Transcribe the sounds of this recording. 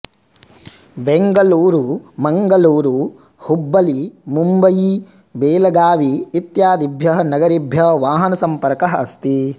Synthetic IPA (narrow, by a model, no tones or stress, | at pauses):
beŋɡɐluːɾumɐŋɡɐluːɾu | hubːɐlimumbɐji | beːlɐɡaːʋiːt̪jaːd̪ibʱjɐɦɐnɐɡɐɾibʱjɐʋaːɦɐnɐsɐmpɐɾkɐɦɐɐst̪i